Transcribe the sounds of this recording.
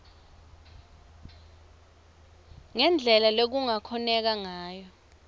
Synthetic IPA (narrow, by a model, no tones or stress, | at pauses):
ŋɛnd͡ɮʱɛlalok̬uŋakʰɔnɛk̬aŋaːjɔ